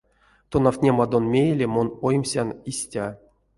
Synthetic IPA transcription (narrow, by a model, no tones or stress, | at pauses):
t̪onawt̪ʲnʲemad̪onmʲejelʲemonojmʲsʲanisʲtʲa